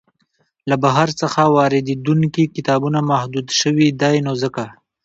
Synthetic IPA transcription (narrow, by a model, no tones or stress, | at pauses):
labaɦaɾt͡səxawɑɾɪd̪ed̪uŋkikɪt̪ɑbunamahd̪ud̪ʃəwid̪ɑjnozəka